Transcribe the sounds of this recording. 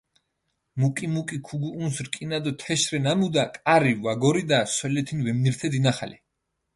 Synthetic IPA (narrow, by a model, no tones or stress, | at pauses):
mukʼimukʼikʰuɡuunsɾkʼinad̪ɔt̪ʰɛʃɾɛnamud̪akʼaɾiwaɡɔɾid̪aswɛlɛt̪ʰinvɛmniɾt̪ʰɛd̪inaχa̰lɛ